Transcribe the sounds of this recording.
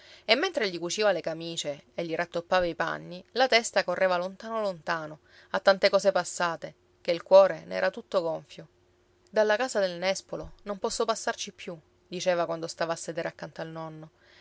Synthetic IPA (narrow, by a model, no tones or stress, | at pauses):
emːent̪ɾeʎikut͡ʃiːvalekamiːt͡ʃeːʎːiɾʔat̪ːopːaːvaipa̰nːilat̪ɛst̪akorːeːvalont̪aːnolont̪aːno | at̪ːant̪ekɔːsepasːaːt̪e | keilkwɔːɾenɛ̰ːɾat̪ut̪ːoɡɔɱfjo | d̪alːakaːzad̪elnɛspolonompɔsːopasːart͡ʃipːju | d̪it͡ʃeːvakwand̪ost̪aːvaːsːed̪eːɾeakːant̪oalnɔnːo